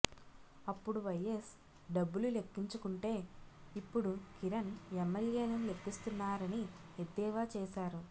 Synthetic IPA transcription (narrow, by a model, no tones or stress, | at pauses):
ɐpːuɽuʋɐjes | ɖɐbːulule̞kːiɲt͡ʃukuɳʈe̞ːipːuɽukiɾɐnemːeljeːlɐmle̞kːist̪unːaːɾɐni | ed̪ːɛːʋaːt͡ʃɛːʃaːɾu